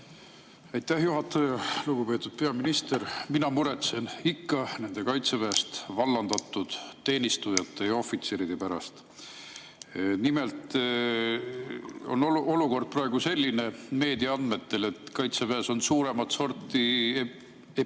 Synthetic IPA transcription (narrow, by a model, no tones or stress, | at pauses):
ɑjt̪ːæhjuɦɑt̪ːˑɑjɑluɡ̥upe̞ːt̪ːˑud̪̥̚pe̞ɑminist̪eɾminɑmuɾe̞t̪se̞nikːɑne̞nd̪e̞kɑjt̪sepæːst̪vɑlːɑnd̪̥ɑt̪ˑːud̪̥t̪ːe̞ːnʲist̪ujɑt̪ːe̞jɑo̞fit̪seːɾid̪̥epæɾɑ̰st̪ | nime̞lt̪ˑ | o̰noo̞luko̞rd̪̥̚prɑe̞ɡ̥use̞lʲːine̞me̞ːd̪iɑnd̪̥me̞t̪ːe̞le̞t̪kɑjt̪sepæːso̞nsuːɾe̞mɑt̪so̞rt̪ːˑi | e